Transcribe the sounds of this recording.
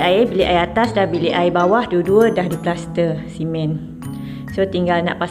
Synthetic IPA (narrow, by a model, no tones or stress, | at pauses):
aebiliʔajat̪asdabiliʔajbawahduəduədahduplast̪əsimɛ̃n | sot̪iŋɡalna̰ʔpas